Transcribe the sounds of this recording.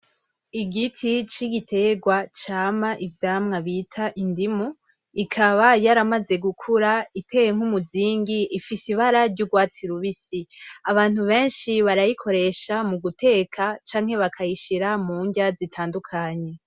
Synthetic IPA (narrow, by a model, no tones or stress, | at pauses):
iɡitʰit͡ʃiɡitʰe̞ɡwat͡ʃaːmaʔivjaːmŋaβiːtʰaʔindimu | ikʰaβajaɾamaze̞ɡukʰuɾaitʰe̞jeŋ̥humuziːŋɡiʔifisiβaɾaɾɟuɡwaːt͡siɾuβisiaβaːn̥uβe̞ːnʃiβaɾajikʰo̞ɾe̞ʃamuɡutʰe̞ːkʰat͡ʃaːŋ̥he̞βakʰajiʃiɾamuːɲɟazitʰaːndukʰaɲe̞